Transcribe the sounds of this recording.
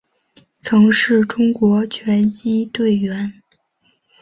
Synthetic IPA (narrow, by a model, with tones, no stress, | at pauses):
t͡sʰɤ˧˥ŋʂɻ̩˥˩ʈ͡ʂʊ˥ŋkwɔ˧˥t͡ɕʰɥɛ˧˥nt͡ɕi˥t̪we˥˩ɪɥɛ˧˥n